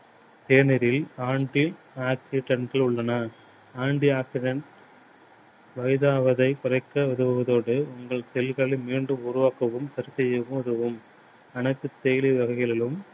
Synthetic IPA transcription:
t̪eːnɪɾɪlaːɳɖi | aːksɪɖɐɳʈɐɭʊɭːɐnɐ | aːɳɖiaːksɪɖɐɳʈ | ʋɐjðaːʋɐðɐɪkʊɾɐɪkːɐʋɪðɯʋɯʋɐðoːɽɯʊŋɡɐɭsɛlɣɐɭɪmiːɳɖɯmʊɾʊʋaːkɐʋɯmsɐɾɯsɛjɐʋɯmʊðɐʋɯm | ɐnɐɪt̪ːɯt̪ːeːliʋɐɣɐɪɣɐɭɪlɯm

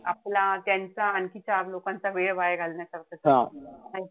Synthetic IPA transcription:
aplat̪jant͡saːnkit͡ɕalokãnt͡saʋeɭbajeɡʱalnjat͡ɕaɾt̪əsɦãa

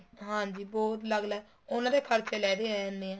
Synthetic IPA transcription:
ɦãːɲd͡ʒiːbɔːt̪ləɡlɛː | ʊnãːd̪eːpʰəɾt͡ʃʰelɛːd̪eːɛːneːãː

